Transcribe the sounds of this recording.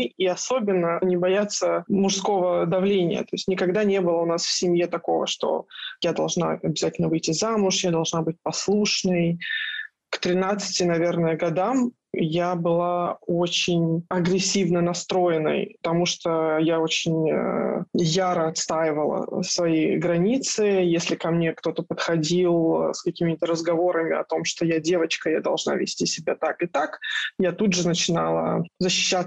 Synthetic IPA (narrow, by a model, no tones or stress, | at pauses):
iɐso̞bʲɪnːənʲɪbɐjat̪sːəmʊʂsko̞vəd̪ɐvlʲenʲɪ̰jə̰t̪o̞ɪsʲtʲnʲɪkɐɡd̪anʲe̞bɨlˠəʊnasfsʲɪmʲjet̪ɐko̞və̰ʂt̪o̰jad̪ɐlˠʐna̰ɐbʲɪzatʲɪlʲnəvɨjtʲɪzamʊʂjad̪ɐlˠʐnabɨt̚ʲpɐslˠuʂnəj | kt̪ɾʲɪnat̪sɨ̥tʲɪnɐvʲe̞rnəjəɡɐd̪am | jabɨlˠaot͡ɕɪnʲɐɡɾʲɪsʲːivnənɐst̪ɾo̞jɪnə̰jpət̪ɐmuʂt̪ojao̞t͡ɕɪnʲəjaɾəɐt̪st̪ajɪvəlˠə̰svɐjijɡɾɐnʲit̪sɨjesʲlʲɪkɐmnʲe̞kt̪o̞t̪əpət̪xɐdʲilˠskɐkʲimʲɪt̪əɾəzɡɐvo̞ɾəmʲɪ̰ɐ̰t̪o̞mʂt̪ojadʲe̞vət͡ɕkəjad̪ɐ̰lˠʐna̰vʲɪ̰sʲtʲisʲɪbʲat̪akɨt̪akjat̪udʐɨnət͡ɕɪnalˠə̰zəɕːɪ̥ɕːa